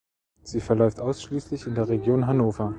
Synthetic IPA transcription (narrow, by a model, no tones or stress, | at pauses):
z̥iːfɛɐlɔʏftʔaʊsʃliːslɪçɪndeːɐʁeɡjoːnɦanoːfɐ